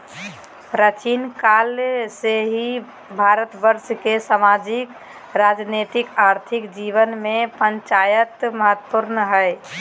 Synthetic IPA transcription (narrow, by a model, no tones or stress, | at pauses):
pɾət͡ʃinkalseɦi | bʱaɾət̪bəɾʃkesamad͡ʒik | ɾad͡ʒnet̪ikaɾt̪ʰikd͡ʒiʋənmepənt͡ʃajət̪məɦət̪puɾnəɦəj